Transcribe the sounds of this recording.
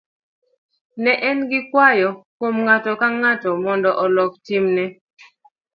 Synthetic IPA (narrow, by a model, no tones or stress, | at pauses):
nɛʔɛnɡɪkwajɔkwomŋatɔkaŋatɔmɔndɔʔɔlɔktimnɛ